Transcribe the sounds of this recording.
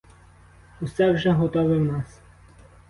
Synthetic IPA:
usɛwʒɛɦɔt̪ɔʋɪwnɑs

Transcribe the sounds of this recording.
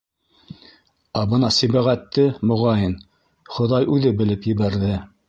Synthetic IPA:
æbɤnɑsĭβæʁæt̪ːɘmŏʁɑjɤn | χŏðɑjʉðɘbɘ̆lɘpjɘ̆βæɾðɘ

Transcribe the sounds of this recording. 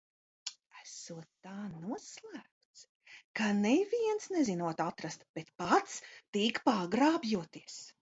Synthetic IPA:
æsuɔt̪ːaːnuɔslˠæːp̚t̪s | kanɛviɛnsnɛzinuɔt̪at̪ɾast̪b̥ɛt̪pat̪st̪iːkpaɡɾaːbjuɔt̪iɛs

